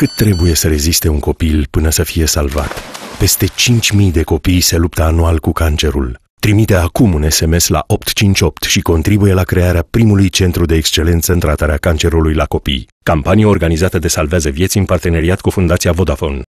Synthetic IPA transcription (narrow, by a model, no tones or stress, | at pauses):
kɨt̪ːɾe̞buje̞səɾe̞zist̪e̞uŋko̞pilpɨnəsəfije̞salva̰t̪pe̞st̪e̞t͡ʃint͡ʃʲmijd̪e̞ko̞pijse̞lup̚t̪əanualkukant͡ʃe̞ɾṵl | t̪ɾimit̪e̞akumune̞se̞me̞sla̰ʔo̞pt̪t͡ʃint͡ʃʲo̞p̚t̪ʃiko̞nt̪ɾibuje̞lakɾe̞aɾeapɾimulujt͡ʃe̞nt̪ɾud̪e̞ːkst͡ʃe̞le̞nt̪səɨnt̪ɾat̪aɾeakant͡ʃe̞ɾulujlako̞pḭj | kampanijeorɡanizat̪əd̪e̞salveazəvjet̪siɨnpart̪e̞ne̞ɾiat̪kufund̪at̪sijavo̞d̪afo̞n